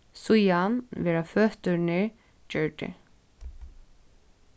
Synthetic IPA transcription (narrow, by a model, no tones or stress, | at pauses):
sujanvɛːɾafœːht̪ʏɾnɪ | d͡ʒœɹʈ̪ɪ̰